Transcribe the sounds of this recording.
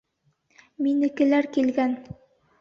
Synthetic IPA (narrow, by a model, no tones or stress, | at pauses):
minɘ̆kɘ̆læɾkilɡæn